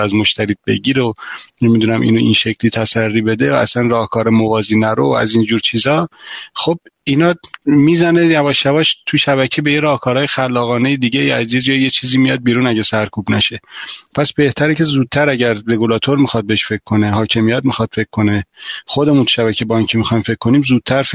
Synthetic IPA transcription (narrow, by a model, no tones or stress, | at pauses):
æzmo̞ʃt̪æɾiːt̪̚be̞ɟiːɾenemid̪uːnæmʔḭːnoinʃecʰlit̪ʰæsærːiːbe̞d̪eæsænrɒːhkʰɒːɾemovɒːziːnæɾoæ̰zind͡ʒuːɾt͡ʃʰiːzɒːxob̚inɒːmizæne̞jævɒːʃjævɒːʃt̪ʰuʃæβæcʰebejeɾɒːhkʰɒːɾɒːjexælːɒːɣɒːne̞jed̪iɟeiæzjed͡ʒɒːjjet͡ʃʰiːziːmijɒd̪̚biːɾuːnæɟesæɾkʰuːbnæʃe̞pʰæsbe̞ht̪ʰæɾecʰe̞zuːd̪̚t̪ʰæɾæɟæɾːe̞ɡulɒːt̪ʰoɾmixɒd̪̚beʃfe̞kʰːo̞neɦɒːcʲʰe̞mijæt̪mixɒd̪̥feckʰkːo̞neχo̞d̪e̞munt̪ʰu̥ʃæβæcʰebɒːinkcʰemixɒjmfe̞kkːoniːmzuːd̪̚t̪ʰæɾf